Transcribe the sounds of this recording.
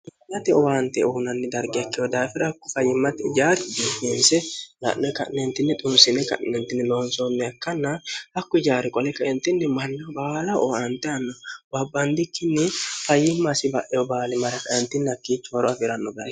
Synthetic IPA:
mɪjɐt̪ɛɔwaːnt̪ɛʊhnɐnːɪd̪ɐɾɡɪɐkːɛjɔd̪aːfɪɾɐkːʊfɐjːɪmːɐt̪ɪd͡ʒaːɾɪbiːtːensɛlɐ̰ʔnɛkɐ̰nnɛnt̪ːɪnːɪt̪ʼʊmsɪnɛkɐ̰ʔɛnt̪ɪnːɪloːnsɔnːɛɐkːɐnːɐhɐkːʊd͡ʒaːɾɪkʼɔlɛkɐʔɛnt̪ɪnːɪmɐnːɐbaːlɐʔɔ̰ɐnt̪ɛɐnːɔbɐbːɐnd̪ɪkːɪnːɪfɐjːɪmːɐsɪbɐʔɛɔbaːlɪmɐɾɐkɐɛnt̪ːɪnːɐkːiːt͡ʃːʊwɔɾɔɐfɪɾɐnːɔbɐ

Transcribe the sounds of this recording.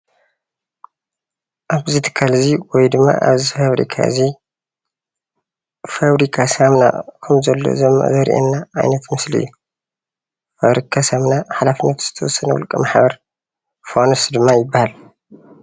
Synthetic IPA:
ʔaβzɨt̪ʰɨ̥kʰːalziwɔjd̪ɨmːa̰ʔa̰βzifaβɾḭkʰa̰ɨzi | faβɾikʰasamna̰kʰɐmzɐlːo̰zɐmːa̰ʔzɐɾʔɛ̰nːaʕa̰jnɐt̪mɨsliʔɨ̰jːu | faβɾikʰasamnaħalafinːɐt̪z̥ɨ̥t̪ʰɐwɔsːɐnɐwɔ̰lkʼɐmaħbɐɾ | fonsd̪ɨmːajɪbːahal

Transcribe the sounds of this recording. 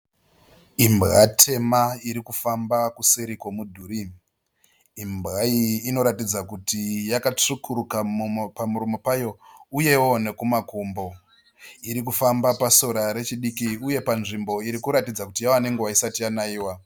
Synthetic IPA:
imbɣatʰe̞maiɾikufambakuseɾikwo̞mudʱuːɾi | imbɣaiːno̞ɾatid͡zakutijakat͡ʂukʰuɾukapamuɾumo̞pajo̞uje̞wo̞ne̞kumakumbo̞ | iɾik̬ufambapaso̞ɾaɾe̞t͡ʃiɗikiuje̞panʐimbo̞iɾikuɾatid͡zakutijawane̞ŋɡewaisatijanaiːwa

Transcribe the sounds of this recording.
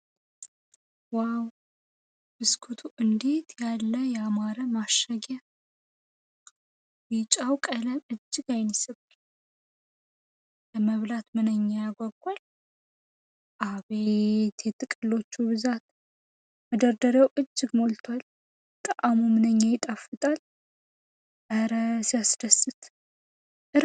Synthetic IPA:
waw | bɨskʰut̪ʰuʔɨnd̪et̪ʰjalːəjɛamaɾəmaʃaɡa | wit͡ʃʼawkʼələmɨd͡ʒːɪɡajnisɨbɨ | bəməβlat̪mɨnəɲːajaɡʷɔɡʷal | ʔaβet̪ʰet̪ʼːɨkʼɨlːo̞t͡ʃːuβɨzat̪ | məd̪əɾd̪əɾjawʔɨd͡ʒːɪɡmo̞lt̪ʰwal | t̪ʼəʔamumɨnəɲːajɪt̪ʼafɨt̪ʼal | ʔəɾəsjasd̪əsɨt̪ | ʔɨɾ

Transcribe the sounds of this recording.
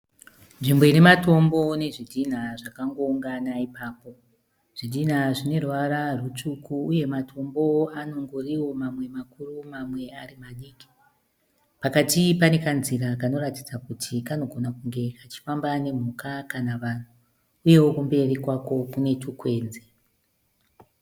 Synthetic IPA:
nʐimbo̞inemato̞mbo̞ne̞ʐidʱin̤aʐakaŋɡo̞uŋɡanaipaːpo̞ | ʐ̥idin̤aʐine̞rʋaɾarut͡ʂukuːje̞matʰo̞mbo̞ano̞ŋɡoriwo̞mamwe̞makurumamwe̞arimaɗiːki̥ | pakatipane̞kanziɾakano̞ratid͡zakutʰikano̞ɡʱonakuŋɡe̞kat͡ʃi̥fambane̞m̤ukakanaʋan̤u | uje̞wokumbe̞rikwako̞kune̞tukwe̞ːnze

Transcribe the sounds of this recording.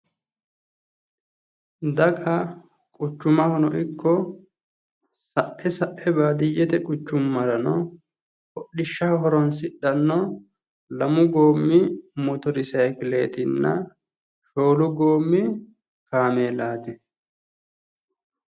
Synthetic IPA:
d̪ɐkʰɐ | kʼʊt͡ʃːʊmɐhɔnɔ̰ʔɪkːɔ | sɐʔɛsɐʔɛbaːd̪ɪjːɛt̪ɛkʼʊt͡ʃːʊmːɐlɐnɔ | ʔɔɗɪʃːɐɦɔɾɔnsɪɗːɐnːɔ | lɐmʊɡoːmːɪmʊt̪ʊɾɪsɐjkɪle̞ːt̪ɪnːɐ | ʃoːlʊɡoːmːɪ | kaːmeːlaːt̪ɛ

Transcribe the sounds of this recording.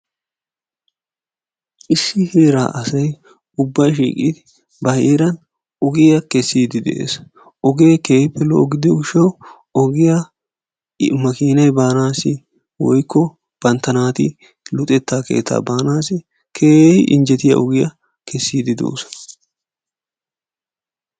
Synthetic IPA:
ʔɪsːɪheːɾa̰ːʔɐsɐj | ʊbːɐjʃ̬ḭːkʼḭːd̪ɪ | bɐheːɾɐn | ɔɡɪjɐkɛsːiːd̪ɪd̪ɛ̰ʔḛːs | ʔɔɡe̞ːkeːjɪpːɛlɔ̰ʔɔɡɪd̪ɪʊʃɐw | ɔɡɪjɐ | mɐkiːnɐjbaːnaːsɪ | wɔ̰jkʰːɔ | b̥ɐnt̪ɐnaːt̪ɪ̰ | lʊt̪ʼɛt̪ːaːkḛːt̪ːa̰ːbaːnaːsɪ | kʰeːʔɪ̰nd͡ʒɛt̪ɪjɐ̰ʔɔɡɪjɐ | kɛsːiːd̪ɪd̪o̰ːsɔ̥

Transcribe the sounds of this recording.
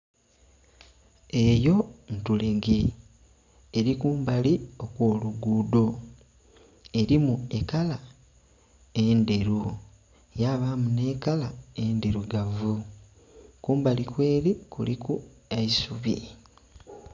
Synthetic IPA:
e̞jo̞ntule̞ɡe̞ | ɾikuːmbalio̞kwo̞ːluɡuːdo̞ | e̞ɾimue̞kala | e̞nde̞ɾu | jaβamune̞ːkalaendeɾuɡavu | kuːmbalikwe̞ːɾikṵlikueisuβḭ

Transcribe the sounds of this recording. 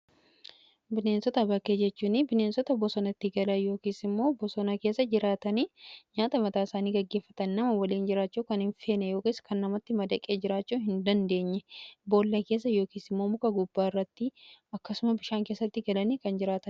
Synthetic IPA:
bɪne̞ːnsɔt̪ɐbɐkeːd͡ʒɛt͡ʃːuːnɪbɪneːnsɔt̪ɐbɔsɔnɐt̪ːɪɡɐlɐjo̞ːkiːsɪmːo̞ːbɔsɔnɐkeːsːɐd͡ʒɪɾaːt̪ɐniːɲaːt̪ʼɐmɐt̪ʼaːɪsaːniːɡɐɡːe̞ːfːɐt̪ɐnnɐmɐwɐliːnd͡ʒɪɾaːt͡ʃːuːkɐnhɪɱfe̞ːnɛjo̞ːkiːskɐnːɐmɐt̪ːɪmɐd̪ɐkʼe̞ːd͡ʒɪɾaːt͡ʃːuːhɪnd̪ɐnd̪e̞ːɲːɛbo̞ːlːɐkeːs̬ːɐjo̞ːkiːsɪmːo̞ːmʊkʼɐɡʊbːaːɪrːɐt̪ːɪɐkːɐsʊmɐbɪʃaːŋkeːsːɐt̪ːɪɡɐlɐniːkɐnd͡ʒɪɾaːt̪ɐn

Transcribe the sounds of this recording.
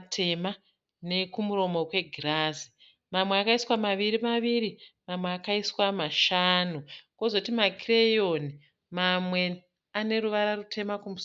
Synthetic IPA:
tʰema | ne̞kumuro̞mo̞kwe̞ɡʱiraːzi | mamweakaiswamaʋirimaʋirimamweakaiswamaʃanuko̞zotimakirejo̞ni | mamwe̞ | ane̞ɾuʋaɾarutʰe̞makumus

